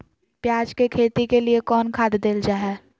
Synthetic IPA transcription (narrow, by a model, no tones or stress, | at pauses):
pjaːd͡ʒkekʰeːt̪ikeliekɔːnkʰaːd̪d̪eːld͡ʒaːɦɛː